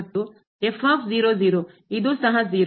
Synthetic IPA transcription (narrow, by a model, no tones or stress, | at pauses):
t̪ːu | efaːfʰziːɾoːziːɾoː | id̪usɐɦɐziːɾ